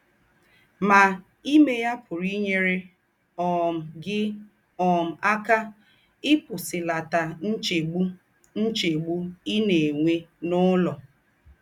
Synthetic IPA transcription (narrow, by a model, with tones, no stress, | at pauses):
ma˨ | i˦me˦ja˦pʰʊ˨ɾi˦ɲe˦ɾe˦ | ɔ˨m̩˨ɡɪ˦ | ɔ˨m̩˨a˦ka˦ | ɪ˦pʊ˨sɪ˨la˨ta˨n̩˦t͡ʃe˨ɡ͡bu˦ | n̩˦t͡ʃe˨ɡ͡bu˦i˦ne˨ŋʷe˦nʊ˦lɔ˨